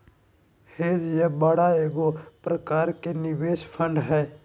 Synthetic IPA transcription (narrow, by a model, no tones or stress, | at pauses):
heːd͡ʒjɐbəɽaeːɡopɾɐkaːɾkenɪʋeːʃpʰə̃ɳɖɦɛː